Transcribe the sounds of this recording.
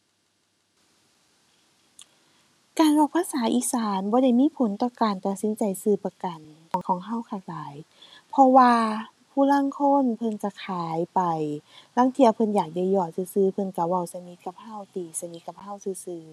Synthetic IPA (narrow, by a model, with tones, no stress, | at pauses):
kaː˨nlɔː˧˩kpʰaː˧˥saː˨˦ʔiː˧˥saː˨˦nbɔː˧˦da˧˥˩jmiː˧˥˨pʰo˨˦nt̪ɔː˧˩kaː˨nt̪ɔ˨˩si˨˦nt͡ɕa˨jsɯː˧˩pa˧ka˨˩nkɔ˨˦kʰɔː˨˦ŋɦa˧˥˨wkʰaː˧˩k̚laː˨˦j | pʰɔ˧waː˧ | pʰuː˧˨la˧˥˨ŋkʰo˧˥˨npʰɤ˧˨nt͡ɕa˧˩kʰaː˨˦jpa˨˩jlaː˧˥˨ŋt̪ʰi˧˩ɐ˨˩wpʰɤ˧njaː˨˩k̚da˧˩˨jɔː˧˩sɯː˧˩sɯː˧˩pʰɤ˧˨nka˧˩wa˧˩˨wsa˧ni˧˦t̪̚ka˧˩p̚ha˧˥˨wt̪iː˨˩sa˧ni˧˦ka˧˩p̚ha˧˥˨wsɯː˧˦sɯː˧˩